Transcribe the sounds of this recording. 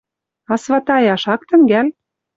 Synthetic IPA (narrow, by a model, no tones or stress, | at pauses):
ɑsvɑt̪ɑjɑʃɑk̚t̪ə̆ŋɡæl